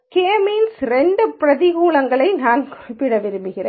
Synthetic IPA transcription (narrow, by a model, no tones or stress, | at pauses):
keːmiːnsɾɛɳɖɯpɪɾɐðɪɣuːlɐŋɡɐɭɐɪnaːnpːɪɽɐʋɪɾɯmbɯɣɪreː